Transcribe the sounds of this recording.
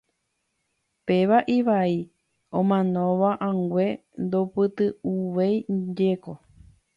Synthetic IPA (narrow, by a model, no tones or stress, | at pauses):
pe̞ʋaʔiʋai | õmãnõʋaʔãŋɡʷe̞ | nd̪opɨt̪ɨuʋejd͡ʒeko̞